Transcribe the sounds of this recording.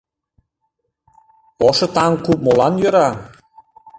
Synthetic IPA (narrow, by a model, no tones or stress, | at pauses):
oʃɤ̆t̪ɑŋkup̚molɑnjø̆ɾɑ